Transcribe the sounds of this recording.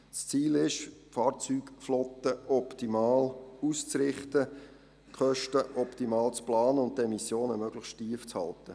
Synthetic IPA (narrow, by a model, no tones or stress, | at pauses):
st͡siːlɪʃfɑːɾt͡syːkflɔt̪əʔɔptimɑːlust͡sɾɪχtə | kχœʃtəʔɔptimɑːlt͡splɑːnəʊnttːɛmisjoːnəmøɡ̥ləχʃtiːəft͡shɑ̰ltə